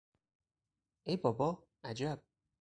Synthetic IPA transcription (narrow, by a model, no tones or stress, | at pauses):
ejbɒbɒː | æd͡ʒæb̥̚